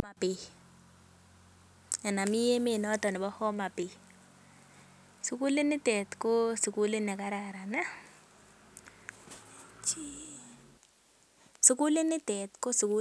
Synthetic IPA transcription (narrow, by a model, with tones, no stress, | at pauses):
a˨pi˨ | ɛ˨na˨mɪ˦je˦me˦˨nɔ˦tɔ˨nɪ˨bɔ˦hɔ˦ma˨pi˨ | su˨˦ku˦le˦nɪ˦tɛ˨tko˦su˨ku˦le˦nɛ˨ka˦ɾa˨ɾa˨na˦ | t͡ʃi˦ | su˦ku˦le˦nɪ˦tɛ˨tko˦su˨ku˦